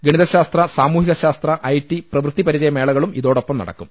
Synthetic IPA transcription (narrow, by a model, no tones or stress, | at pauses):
ɡiɳiðɐɕaːst̪rɐsaːmuːɦiɣɐɕaːst̪rɐʔɐjʈːiprɐʋrɨt̪ːipɐɾid͡ʑɐjɐme̞ːɭɐɣɐɭumḭðo̞ːɽo̞pːɐmnɐ̰ɽɐ̰kːum